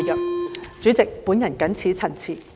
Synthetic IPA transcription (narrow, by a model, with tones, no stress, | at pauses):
jœː˨k̚t͡syː˨˥t͡sɪ˨k̚pu˨˥njɐ˨˩nkɐ˨˥nt͡sʰiː˨˥t͡sʰɐ˨˩nt͡sʰiː˨˩